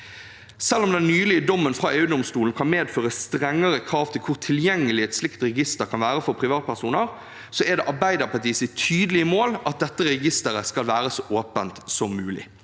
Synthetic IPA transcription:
sɛlːɔmd̪ɛnnyːlɪəd̪ɔmːənfʁɑeːʉːd̪ɔmst̪uːln̩kʰɑnmeːd̪føːɾəsst̪ɾɛŋːəɾəkʰɾɑːʋt̪ʰɪlkʰʊɾt̪ʰɪljɛŋːəlɪɛt̪slɪkt̪ɾɛɡɪst̪əɾkʰɑnʋæːɾəfɔɾpʰɾɪʋɑːt̪̚pʰæʁsuːnəʁ | sɔɛɾd̪ɛːʔɑʁbæɪd̪əʁpʰɑt̪iːsɪt̪ʰyːd̪lɪəmoːlɑt̪̚d̪ɛt̪ːəɾɛɡɪst̪əɾəskɑlʋæːɾəsɔʔoːpənt̪sɔmːʉːlɪ̰

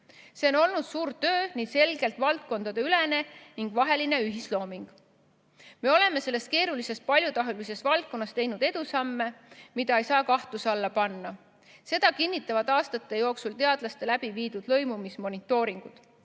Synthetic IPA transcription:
se̞o̞no̞lnud̪̥suːɾt̪ø̞ːniːse̞lɡe̞lt̪ˑvɑlt̪̚ko̞nd̪̥ɑd̪̥e̞yle̞ne̞niŋɡ̥vɑɦe̞line̞yɦislo̞ːmiŋɡ̥ | me̞o̞le̞me̞se̞lːe̞st̪̚ke̞ːɾulise̞s̚pɑlʲjut̪ɑɦelise̞svɑlt̪̚kːˑo̞nːɑst̪e̞jnud̪e̞d̪̥usɑmːe̞mid̪̥ɑe̞jsɑːkɑht̪usɑlːɑpɑnːɑ | se̞d̪̥ɑkinʲːit̪ːˑɑvɑd̪̥ɑːst̪ɑt̪ːˑe̞jo̞ːksult̪e̞ɑd̪̥lɑst̪e̞læb̥iviːd̪ud̪̥lɤ̞jmumismo̞nit̪ːˑo̞ːɾiŋɡ̥ud̪̥

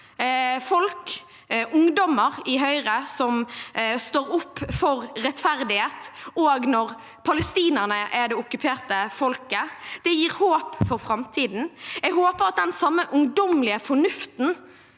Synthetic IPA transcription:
fɔlk | ʊŋd̪ɔməʁɪɦœʏʁəsɔmst̪oːɾʊpːfɔʁɾɛt̪fæʁd̪ɪheːt̪oːɡnɔʁ | pʰɑləst̪iːnəʁnəʔæɖ̪ɛʊkːʉpʰeːʁt̪əfɔlkəd̪̥ɛjiːɾhoːpfɔɾfʁɑmt̪ʰiːd̪n̩ɛɡɦoːpəʁɑt̪̚d̪ɛnsɑmːəʔʊŋd̪ɔmlɪəfɔɳʉft̪n

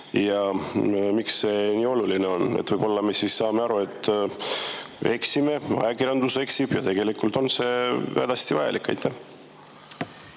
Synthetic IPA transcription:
jɑ | miksːe̞niːo̞lulineo̞nḛt̪ːvɤjb̥o̞lːɑme̞siːsːɑːmeɑɾue̞t̪ːˑ | e̞ksime̞ɑ̰jɑkirjɑnd̪use̞ksib̥jɑt̪e̞ɡ̥e̞likːult̪o̞nse̞væ̰d̪̥ɑst̪ivɑjɑ̰lʔikːˑɑ̰jt̪ːˑæh

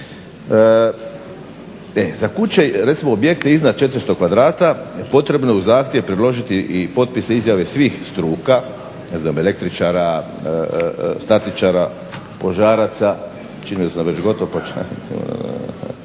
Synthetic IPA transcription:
ə | ezakut͡ɕe̞ɾet̪simo̞obje̞kt̪eiznad̪̚t͡ʃe̞t̪ɾst̪o̞kʋad̪ɾaːt̪apo̞t̪ɾe̞bnojeuzaːxt̪jeʋpɾed̪lo̞ʒit̪iʔipo̞t̪̚piseizjaʋe̞sʋiːxst̪ɾuːka | neznaːme̞le̞kt̪ɾit͡ʃaɾa | st̪at̪it͡ʃaɾa | po̞ʒaːɾat̪sa | t͡ʃinijosaʋe̞t͡ɕɡo̞t̪oʋopot͡ʃa̰ḭmo̰

